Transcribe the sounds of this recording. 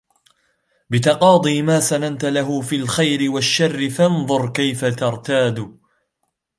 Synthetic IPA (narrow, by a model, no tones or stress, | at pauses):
bɪt̪ɑqɑːd̪ˤiːmaːsanant̪alaɦʊfiːlxajɾɪwaʃːarːɪfɑnðˤʊɾˤkajfat̪ɑɾˤt̪aːd̪ʊ